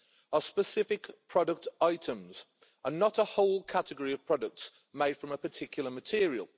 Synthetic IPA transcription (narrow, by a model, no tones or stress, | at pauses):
əspəsɪfɪkpʰɹ̥ɒdək̚taɪtʰə̃mz̥ | ənətəhoʊlˠkʰatəɡəɹiəv̥pʰɹ̥ɒdək̚ts | meɪd̥fɹə̃məpʰətʰɪkʰjl̩ˠəmətʰɪəɹiə̰lˠ